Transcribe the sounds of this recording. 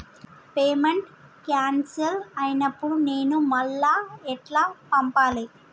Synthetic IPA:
peːmeɳʈ | kjaːnsɐlɐjnɐpːuɽune̞ːnumɐlːaːɛʈlaːpɐmpaːli

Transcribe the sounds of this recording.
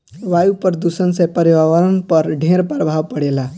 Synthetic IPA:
ʋajupəɾd̪usənsẽpəɾibawəɾənpəɾɖʱẽɾpɾbʱawpəɽela

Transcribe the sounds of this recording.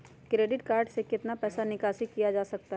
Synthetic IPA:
kɾeːɖɪʈkaːɾɖsekɪt̪napɛːsanɪkaːʃikijad͡ʒaːsɐk̚t̪aɦ

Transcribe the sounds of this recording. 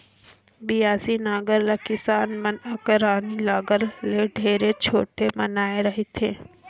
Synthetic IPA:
bijaːsinaːɡəɾlekɪsaːnmɐnakɾaːnilaːɡəɾleɖʱeːɾet͡ʃʰoːʈemɐnaːeɾɐɦet̪ʰeː

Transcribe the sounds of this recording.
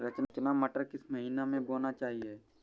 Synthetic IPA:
ɾɐt͡ʃnt͡ʃnamɐʈəɾkɪsmɐɦiːnamẽboːnat͡ʃaːɦieː

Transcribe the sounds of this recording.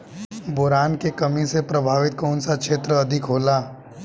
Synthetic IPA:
boːɾaːnkekɐmisepɾɐbʱaːʋɪt̪̚kɔːnsakʃeːt̪ɾəɐd̪ʱɪkɦoːlaː

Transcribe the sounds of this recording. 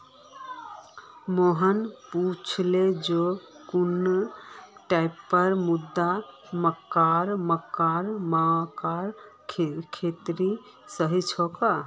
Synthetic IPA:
moɦənput͡ʃʰled͡ʒokunː | ʈajpːəɾmud̪ːa | məkːaɾməkːaɾmakaɾkʰekʰet̪ɾi | səɦit͡ʃʰɔka

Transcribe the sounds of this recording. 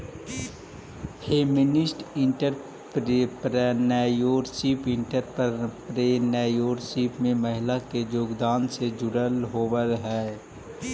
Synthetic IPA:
heːmɪnɪsʈɪ̃ɳʈəɾ | pɾpɾɛnɛːjoːɾsiːpɪ̃ɳʈəɾppɾeːnɛːjoːɾsiːpmẽməɦɪlaked͡ʒoːɡd̪aːnsed͡ʒʊɽəlɦoːwəlɦɛː

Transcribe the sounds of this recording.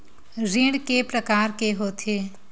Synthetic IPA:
ɾĩɽkepɾəkaːɾkeɦoːt̪ʰeː

